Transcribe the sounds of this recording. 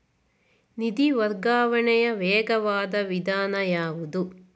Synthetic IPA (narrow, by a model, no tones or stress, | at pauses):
nid̪iʋɐɾɡaːʋɐɳɛjɐʋɛːɡɐʋaːd̪ɐʋid̪aːnɐjaːʋud̪u